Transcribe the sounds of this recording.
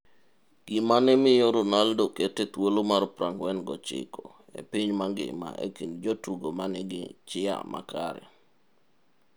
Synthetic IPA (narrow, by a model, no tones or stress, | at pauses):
ɡ̥imanɛmɪjoɾonaldoketɛt̪wolomaɾpɾaŋɡwɛnɡɔt͡ʃɪ̰kɔ | ḛpɪɲmaɡɪ̰ma̰ʔḛkind͡ʒotuɡomanɛɡɪ̰t͡ʃɪa̰mʔa̰kaɾɛ̰